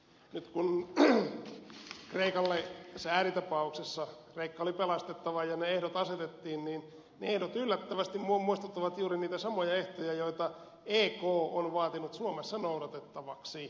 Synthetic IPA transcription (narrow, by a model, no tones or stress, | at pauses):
nyt̪kun | kreikɑlːesæːrit̪ɑpɑuksesːɑkreikːɑolipelɑst̪et̪ːɑʋɑjɑneehdot̪ɑset̪et̪ːiːnniːn | neehdot̪ylːæt̪ːæʋæst̪immumuist̪ut̪ːɑʋɑt̪juːriniːt̪æsɑmojɑeht̪ojɑjoit̪ɑ | eːkoːonʋɑːt̪inut̪suomesːɑnouɾɑt̪et̪ːɑʋɑksi